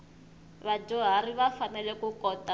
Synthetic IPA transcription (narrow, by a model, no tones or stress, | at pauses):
βad͡ʒɔɦariβafanɛlɛkukɔta